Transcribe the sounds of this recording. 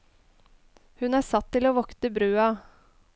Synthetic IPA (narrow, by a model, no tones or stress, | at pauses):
hʉnæʂɑt̪ʰːɪloːʋɔkt̪əbɾʉːɑ